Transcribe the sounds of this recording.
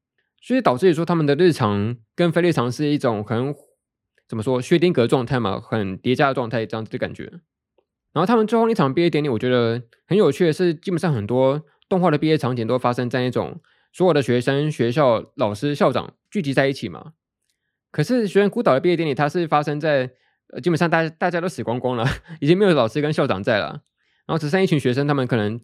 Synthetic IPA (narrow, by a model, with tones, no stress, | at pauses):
sɔ˥˩i˥t̪ɑ˨˩ʊʈ͡ʂɹ̩˥˩i˨˩wɔ˥t̪ʰa˥mə˨nd̪ə˩l̩˥˩ʈ͡ʂʰɑ˧˥ŋkə˦˥nfe˥ɪli˥˩ɑ˧˥ŋʂɻ̩˥˧i˥˩ʈ͡ʂʊ˨˩ŋxə˨˥n | t͡sə˨˩mə˦ʂwɔ˥ɕɥɛ˥t̪i˥ŋkɤ˧˥ə˧ʈ͡ʂwɑ˥˧ŋt̪ʰa˥˩ɪma̰˨˩xə˨˩nt̪jɛ˧˥t͡ɕja˥də˩ʈ͡ʂwɑ˥˧ŋt̪ʰa˥˩ɪʈ͡ʂjɑ˥˩ŋ˩t͡s̩˩d̪ə˧ka̰˨˩nt͡ɕɥɛ̰˧˥ | na˧˥xo˥˩a˥mə˨t͡sxi˥˩ɑ˨˩ŋpi˥˧jɛ˥˩jli˨˩wɔ˨˩t͡ɕɥɛ˧˥d̪ə˧ | xə˧˥njo˨˩t͡ɕʰy˥˩ə˨˩ʂɻ̩˥˩t͡ɕi˥pɛ˨˩nʂɑ˥˩ŋxə˨˩nt̪wɔ˥ | t̪ŋxwa˥˩ɾə˩pi˥˧jɛ˥˩ʈ͡ʂʰɑ˧˥ŋt͡ɕɛ˨˩nt̪o˥˩a˥ʂə˥ŋt͡sa˥˧ɪna˥˩ʈ͡ʂʊ̰˨˩ŋ | swɔ˧˥jɔ˨˩d̪ə˩ɕɥɛ˧˥ʂə˥ŋɕɥɛ˧˥ɕ̬jɑ˥˩ʊlɑ˨˩ʊʂɻ̩˥ɕjɑ˥˩ʊʈ͡ʂɑ̰˨˩˦ŋ | t͡ɕy˥˩t͡ɕi˧˥t͡sa˥˧ɪi˥˩t͡ɕʰi˨˩mʔɐ̰˩ | kʰɤ˨˩ʂɻ̩˥˩ɕ̬ɥɛ˧˥ʂə˥ŋku˥t̪ɑ˨˩d̪ə˩pi˥˧˥jnli˨˩t̪ʰa˥ʂɻ̩˥˩fa˥ʂə˥ŋt͡sa˥˩ɪ | ə˧t͡ɕi˥pə˨˩nʂɑ˥˧t̪a˥˩˥t̪a˥˩t͡ɕja˥t̪o˥ʊʂ̩˨˩kwɑ˥ŋkʊ˥ŋlə˨i˨˩t͡ɕi˥ŋm˧˥jo˧˩˥lɑ˨˩ʊʂɻ̩˥kə˥nɕjɑ˥˩ʊʈ͡ʂɑ̰˨˩ŋt͡sa˥˩ɪlə̰˩ | na˧˥o˥˩ʂ̩˧˥˧i˥˩t͡ɕʰy˧˥ŋɕɥɛ˧˥ʂ̬ə˥ŋt̪ʰa˥mə˨kʰɤ˨˩nə˧˥ŋ